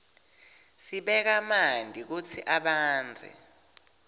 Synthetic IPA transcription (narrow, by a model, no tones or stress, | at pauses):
siɓɛk̬amandʱik̬ut͡sʰiʔaɓaːnd͡zʱɛ̰